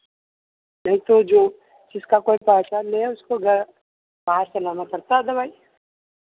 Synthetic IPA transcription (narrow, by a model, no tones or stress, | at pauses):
nɛ̃ɦĩt̪od͡ʒoː | d͡ʒɪskakoːipaːt͡ʃanɛʊskoɡʱɐɾ | baːɾt͡ʃɐlaːnapɐɾt̪ad̪ɐbʱaːi